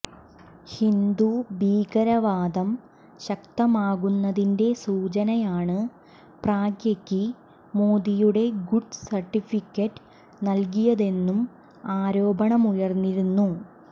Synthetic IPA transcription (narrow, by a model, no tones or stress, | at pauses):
hind̪ubiːɡɐɾɐʋaːd̪ɐm | ɕɐk̚t̪ɐmaːɣunːɐðinde̞suːt͡ɕɐnɐjaːɳɨ | praːɡjɐkːi | moːd̪ijuɽe̞ɡuɖsɐrʈːifikʲːɐʈːɨ̥ | nɐlk̬ijɐðe̞nːum | aːɾo̞ːbɐɳɐmujɐrnːiɾunːu